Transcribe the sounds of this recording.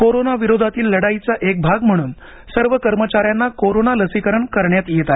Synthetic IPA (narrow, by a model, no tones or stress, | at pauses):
koɾonaʋiɾod̪ʱat̪iːlːəɽait͡saʔek̚bʱaɡm̤əɽ̃uːn | səɾʋəkəɾmət͡ɕaɾjanːakoɾonaləsikəɾəɳkəɾɳjat̪jet̪a